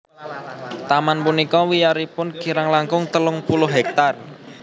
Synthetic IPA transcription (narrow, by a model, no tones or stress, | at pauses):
t̪amanpunikɔwijaɾipʊnki̤ɾaŋlaŋkʊŋt̪əlʊŋpulʊɦɦɛk̚t̪ar